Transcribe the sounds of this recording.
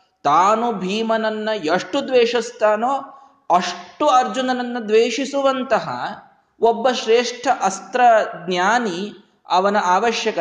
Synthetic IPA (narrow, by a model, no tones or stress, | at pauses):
t̪aːnubʱiːmɐnɐnːɐjɐʂʈud̪ʋeːʂɐst̪aːnoː | ɐʂʈuɐɾd͡ʒunɐnɐnːud̪ʋeːʂisuʋɐnt̪ɐɦɐ̰ | obːɐʃɾeːʂʈʰɐʔɐst̪ɾɐɡ̪njaːni | ɐʋɐnɐʔaːʋɐʃjɐkɐ